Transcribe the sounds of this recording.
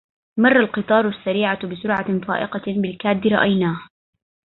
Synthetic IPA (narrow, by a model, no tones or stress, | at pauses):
mɑrˤːɑlqɨt̪ˤɑːɾˤʊasːaɾiːʕabɪsʊɾʕafa̰ːʔɪqɑbɪlkaːd̪ːɪɾˤɑʔajnaːh